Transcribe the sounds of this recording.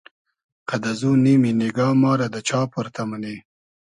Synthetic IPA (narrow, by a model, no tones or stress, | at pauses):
kad̪azuniminɪɡɑːmɑːɾad̪ət͡ʃɑːpʊɾt̪amaneː